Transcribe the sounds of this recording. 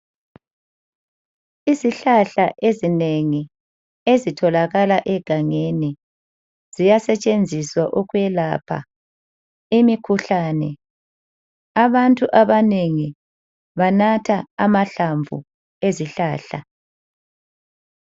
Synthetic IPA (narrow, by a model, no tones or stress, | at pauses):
iziɬaɬaʔezineŋi | ezitʰɔlaɣalaʔɛɡ̥ʱaŋeni | z̥ijasɛt͡ʃʼend͡zʱiswaʔɔkwɛlapʰa̰ | imikʰuɬaːnɛ | aβantʼuʔaβaneŋi | βanatʰaːmaɬaɱvṵ | eziɬaːɬa̰